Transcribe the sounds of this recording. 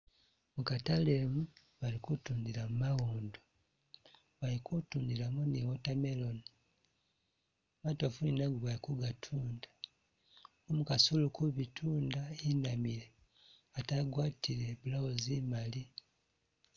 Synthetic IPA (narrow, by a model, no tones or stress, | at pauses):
mukatalemu | βalikutuːndiɾamumaɣuːndo | βalikutuːndiɾamuniwotame̞loni | matofuninaɡuβalikuɡatʰuːndḁ | omukasulukuβitʰuːndainamiɾe | ataɡwaːtʰiɾe̞βulaozimali